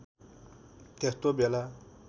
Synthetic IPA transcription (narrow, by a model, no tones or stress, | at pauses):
t̪est̪objela